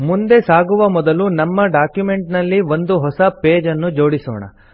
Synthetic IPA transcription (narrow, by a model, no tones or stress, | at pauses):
mund̪e̞saːɡuʋɐmɔd̪ɐlunɐmːɐɖaːkjume̞ɳʈnɐlːiʋond̪uɦɔsɐpe̞ːd͡ʒɐnːud͡ʒo̞ːɽisɔ̰ːɳɐ̰